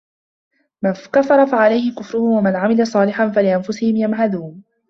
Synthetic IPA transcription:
mankafɑɾˤɑfaʕalajhɪkʊfɾʊhʊmwamanʕamɪlasˤɑːlɪħanfalɪʔanfʊsɪhɪmjamɦaðuːn

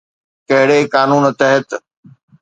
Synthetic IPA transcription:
kɐɦɪɽekaːnuːnt̪ɐɦət̪

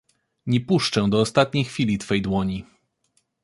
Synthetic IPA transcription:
ɲɛpuʂt͡ʂɛ̃d̪ɔːst̪at̪̚ɲejxfʲilʲit̪fɛjd̪wɔɲi

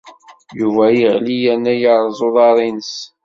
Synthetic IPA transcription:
juvæjəʁlijænæjəɾˤzˤoðˤɑɾˤinəs

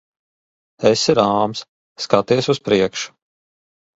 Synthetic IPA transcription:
ɛsiɾaːmsː | kat̪iɛsuspɾiɛkʃu̥

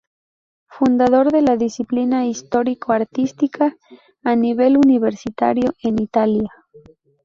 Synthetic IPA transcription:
fund̪aðo̞ɾðe̞laðisiplinaist̪o̞ɾikoaɾt̪ist̪ikʰaː | niβe̞luniβ̞e̞ɾsit̪a̰ɾjoʔenit̪alja

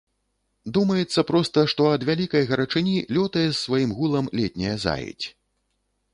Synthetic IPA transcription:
d̪umɐjɛt̪sːɐpɾɔst̪ɐʂt̪ɔɐd̪vʲalʲikɐjɣɐɾɐt͡ʂɨnʲilʲɔt̪ɐjɛsːvajimɣulˠɐmlʲɛt̪ʲnʲɐjɐza̰jḭt͡sʲ

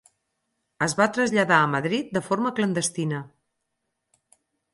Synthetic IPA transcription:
əzβat̪ɾəzʎəðaəməðɾit̪̚d̪əfoɾməklənd̪əst̪inə

